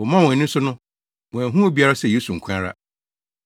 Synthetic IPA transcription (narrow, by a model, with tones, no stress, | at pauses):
wɔ˨mã˦˨wɔ̃˨nĩ˦sʊ˦nʊ̃˦ | mɔ̃˨æ̃˨ɦũ˦o˦˨bi˦a˦ɾa˦sɛ˨jeː˦su˨ŋ̩˨kʰa˦ɾa̰˦